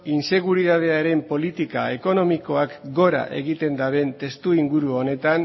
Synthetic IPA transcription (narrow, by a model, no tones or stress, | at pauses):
inse̞ɣuɾiðað̞e̞aɾe̞mpo̞lit̪ikae̞ko̞no̞miko̞akɡo̞ɾa̰ʔe̞̰ɣit̪e̞nd̪aβe̞nt̪e̞st̪uiŋɡuɾuone̞t̪an